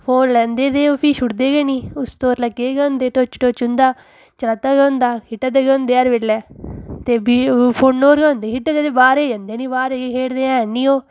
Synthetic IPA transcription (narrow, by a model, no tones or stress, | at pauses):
pʰoːnlənd̪eːd̪eːoːpiːʃʊʈd̪eːɡeːniːʊst̪oːɾləɡeːɡɛʊ̃nd̪eːʈoːt͡ʃʈoːt͡ʃʊ̃nd̪aː | t͡ʃəlat̪ːaːɡɛõnd̪aːkɪʈːad̪eːɡɛõnd̪eːaːɾʋeːlːɛːt̪eːbipʰoːnːoːɾɡɛːʊ̃nd̪eːkɪʈəd̪eːt̪eːbaːɾeːd͡ʒə̃nd̪eːnĩːbaːɾeɡeːkʰeːɽd̪eːɛ̃ːniːoː